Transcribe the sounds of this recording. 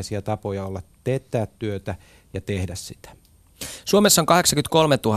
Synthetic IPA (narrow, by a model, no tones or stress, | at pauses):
siɑt̪ɑpojɑolːɑtt̪eːt̪ːæːt̪tyøt̪æ | jɑt̪ehdæssit̪æ̥ | suomesːɑoŋkɑɦe̞ksɑkynt̪ko̞lmet̪uhɑ